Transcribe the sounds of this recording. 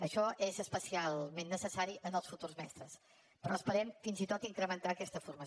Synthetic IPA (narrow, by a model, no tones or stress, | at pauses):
əʃɔʔezəspəsialˠmenːəsəsaɾiʔənəlˠsfut̪urzmɛst̪ɾəs | pɾɔəspəɾɛmfinzit̪ot̪iŋkɾəmənt̪aəkɛst̪əfurməs